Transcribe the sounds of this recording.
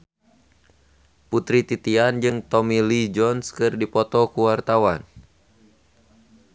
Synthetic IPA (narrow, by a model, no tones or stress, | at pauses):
put̪ɾit̪it̪iand͡ʒɨŋt̪ɔmilid͡ʒɔnskɨrdipɔt̪ɔkuwart̪awan